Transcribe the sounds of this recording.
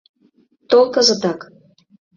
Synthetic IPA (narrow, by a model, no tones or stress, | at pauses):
t̪olˠkə̆zə̆t̪ɑk